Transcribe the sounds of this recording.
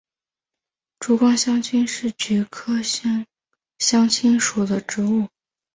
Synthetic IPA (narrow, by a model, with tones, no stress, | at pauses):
ʈ͡ʂu˧˥kwɑ˥ŋɕjɑ˥ŋt͡ɕʰy˥nʂɻ̩˥˩t͡ɕɛ˧˥kʰɤ˥ɕŋ | ɕjɑ˥ŋt͡ɕʰi˥nʂu˨˩d̪ə˦ʈ͡ʂɻ̩˧˥u˥˩